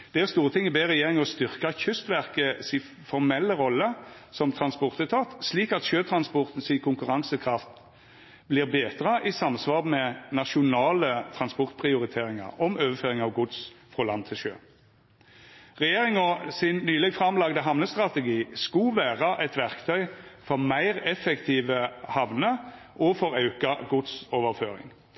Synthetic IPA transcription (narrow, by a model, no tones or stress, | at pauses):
d̪̥ɛæʁst̪uːʁət̪ʰɪŋːəbeːʁɛjeːʁɪŋɔst̪ʏʁkɑçʏst̪ʋæʁkəsɪ | fɔʁmɛlːəʁɔlːəsɔmt̪ʰɾɑnspɔʁt̪ɛt̪ʰɑːt̪sliːkɑt̪ʃøːt̪ʰɾɑnspɔʁt̪n̩sɪkʰʊŋkʉʁɑŋsəkʰʁɑft̪ | blɪʁbeːd̪ʁəʔisɑmsʋɑːʁmɛnɑʃʊnɑːlət̪ʰʁɑnspɔʁt̪̚pʰʁɪʊɾɪt̪ʰeːɾɪŋɑ̰ʁɔmøːʋəføːʁɪŋɑʋɡʊd̪sfʁɔlɑnt̪ʰɪlʃø̰ː | ʁɛjeːʁɪŋɔsɪnːyːlɛɡfʁɑmlɑɡd̪əɦɑʋnəst̪ʁɑt̪ɛɡiːskuʋæːʁɑʔɛt̪ʋæʁkt̪ʰœʏfɔʁmæɪʁɛfɛkt̪ʰiːʋəhɑʋnə | ʔɔfɔʁɑʉkɑɡʊd̪soːʋəʁføːɾɪ̰ŋ